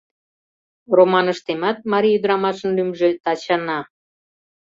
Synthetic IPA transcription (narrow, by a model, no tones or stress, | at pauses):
romɑnəʃt̪emɑt̪̚mɑɾʲiyd̪əɾɑmɑʃənlymʒet̪ɑt͡ɕɑnɑ